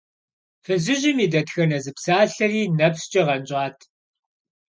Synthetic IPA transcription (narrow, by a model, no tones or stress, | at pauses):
fɨzɪʑɪmiːdɐtxɐnɐzɨpsaːɬɐriːnɐpst͡ʃʼɐʁɐnt͡ʃʼaːtʰ